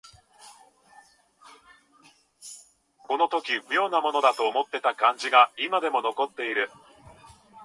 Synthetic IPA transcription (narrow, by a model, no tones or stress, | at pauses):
ko̞no̞t̪o̞kʲiɸɯ̟jo̞ːnamo̞no̞d̪at̪o̞ːmo̞t̪ːe̞t̪akãɲ̟d͡ʑiɡaimad̪e̞mo̞no̞ko̞t̪ːe̞iɾɯ̟